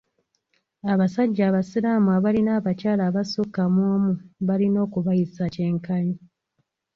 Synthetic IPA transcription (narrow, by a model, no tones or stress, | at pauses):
aβasaɟːaːβasiɾaːmuaβalinaːβacaːlaːβasokːamwoːmuβalino̞ːkuβajisace̞ːŋkaɲi